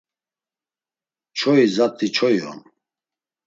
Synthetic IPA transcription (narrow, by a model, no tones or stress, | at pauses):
t͡ʃʰɔizat̪ʰʼːit͡ʃʰɔjɔ̰n